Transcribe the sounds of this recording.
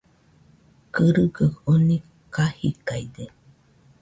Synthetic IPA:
kəɾɯɡəkoni | kahikajd̪e

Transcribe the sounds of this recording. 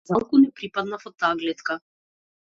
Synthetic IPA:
zalˠkunɛpɾipad̪nafɔt̪ːaːɡlɛt̪ka

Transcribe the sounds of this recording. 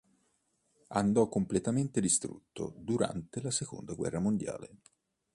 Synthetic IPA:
and̪ɔkːomplet̪ament̪ed̪ist̪ɾṵt̪ːo̰d̪uɾa̰nt̪elaseko̰nd̪aɡwɛ̰rːamond̪ja̰ːle

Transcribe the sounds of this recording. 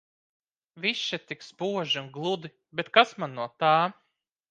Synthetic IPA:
viʃːat̪ikspuɔʒiunɡlˠud̪i | bet̪kasmanːuɔt̪aː

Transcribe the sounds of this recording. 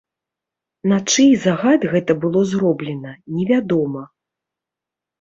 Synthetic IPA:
nat͡ʂɨjzaɣad̪ɣɛt̪ɐbɨlˠɔzrɔblʲɛnɐnʲɛvʲad̪ɔmɐ

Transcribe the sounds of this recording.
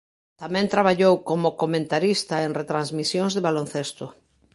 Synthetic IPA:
t̪amɛ̃nt̪ɾaβaʎowkomokomẽnt̪aɾist̪aenret̪ɾanzmisjoŋzðeβalon̟θest̪ʊ

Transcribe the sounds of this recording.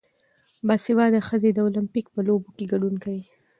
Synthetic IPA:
bɑsiwɑd̪əxəzed̪əolampikpəlobokeɡaɖunkawi

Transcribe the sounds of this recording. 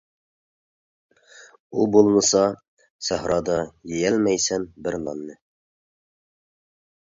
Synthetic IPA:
ulˠbulˠmɤ̆sɑ | sæɦɾɑd̪ɑjɘjælmæjsænbɘɾnɑ̰nːɘ

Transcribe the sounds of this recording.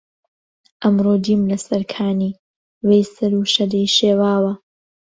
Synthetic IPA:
ʔɐmroːd͡ʒiːmlɐsɐɾkʰaːniː | wejsɐɾuːʃɐdɐjʃeːwaːwɐ

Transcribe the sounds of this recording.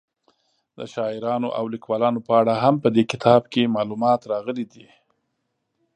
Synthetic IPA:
d̪ə̰ʃɑɪɾɑnoʔa̰wlikwɑlɑnopəaɽaɦampəd̪ekɪt̪ʰɑbkemɑlumɑt̪ɾɑɣəlid̪i

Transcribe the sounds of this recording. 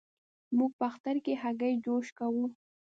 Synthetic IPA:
muɡ̚paxt̪aɾkehaɡajd͡ʒoʃkawu

